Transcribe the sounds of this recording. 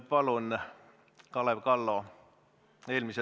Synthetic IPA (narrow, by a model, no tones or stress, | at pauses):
pɑlun | kɑleʋkɑlːo | eːlmise